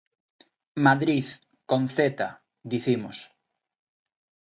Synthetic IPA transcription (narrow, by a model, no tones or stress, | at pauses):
maðɾið | konθet̪a | d̪iθimos